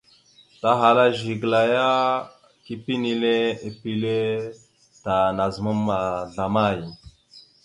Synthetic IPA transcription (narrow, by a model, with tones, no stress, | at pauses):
ta˨ɦa˨la˦ʒi˨ɡla˨ja˦ | ki˦pi˦ni˨le˦i˦pi˦le˦ | ta˨na˨zmu˦mːa˨ɮa˨ma˦˨ji˨